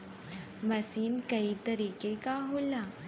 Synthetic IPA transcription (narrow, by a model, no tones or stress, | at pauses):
mɐsiːnkɐit̪ɐɾiːkekaɦoːla